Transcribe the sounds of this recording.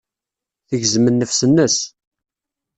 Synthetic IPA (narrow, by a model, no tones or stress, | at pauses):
θəʝzmənːəfsənːəs